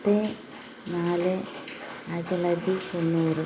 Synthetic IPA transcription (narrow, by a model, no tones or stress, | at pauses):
t̪ːe | naːlɨ | aɻʈɐlɐt̪ːip̪onːuːrɨ